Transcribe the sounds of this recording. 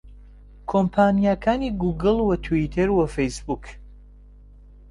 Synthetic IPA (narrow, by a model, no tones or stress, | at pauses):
kʰompʰaːnijakʰaːniːɡuɡɨlˠwɐt̪ʰwit̪ʰeɾwɐfejsbuk